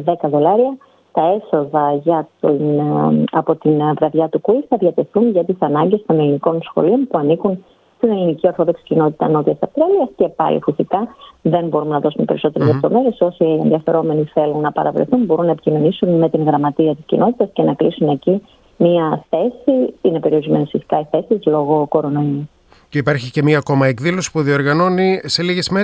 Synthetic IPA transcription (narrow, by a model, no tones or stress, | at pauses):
ðe̞kɐðo̞lɐɾiɐ | t̪ɐe̞so̞ðɐʝɐt̪inɐpo̞t̪invɾɐðʝɐt̪ukuiθɐðʝɐt̪e̞θunʝɐt̪isɐnɐɲɟe̞st̪o̞ne̞liniko̞nsxo̞̰lio̞npuɐnikun | st̪ine̞linicio̞ɾθo̞ðo̞ksi̥cino̞t̪i̥t̪ɐno̞t̪it̪ɐsɐft̪ɾeɐliɐsce̞pɐ̰lḭfisikɐðe̞nbo̞ɾumnɐðo̞sumepe̞ɾiso̞t̪e̞ɾezlept̪o̞̰me̞ɾe̞so̞sienðiɐfe̞ɾo̞me̞niθe̞lunːɐpɐ̰ɾɐ̰vɾḛθunbo̞ɾunːɐepi̥cinonisunme̞t̪iŋɣɾɐmɐt̪iɐt̪iscḭnʔo̞t̪it̪ɐsce̞nɐklisune̞ci | miɐθe̞siine̞pe̞ɾio̞ɾizme̞nesfisi̥kɐiθe̞sizlo̞ɣo̞ko̞ɾo̞no̞i | ceipɐɾçice̞mɐːko̞mɐekðilo̞si̥puðio̞ɾɣɐno̞nise̞liʝe̞zme